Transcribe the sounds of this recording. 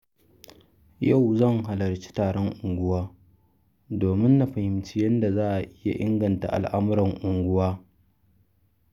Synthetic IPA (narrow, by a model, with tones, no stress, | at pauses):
ja˦˨wzɐ˦ŋɦa˨lɐ˨ɾt͡ʃi̥˦taː˨ɽɔ˦ŋʔʊ˨ŋɡʷʊ˦waː˦ | doː˨mɪ˦nːa˨ɸɐ˨hɪ˨mt͡ʃi˦jɐ˦nda˨zaː˦ʔa˨ʔɪ˦ja̰˨ʔɪ˦ŋɡɐ˨nta̰˨ʔa̰˨lʔa˦mʊ˦ɾɐ˨ŋʔʊ˨ŋɡʷʊ˦waː˦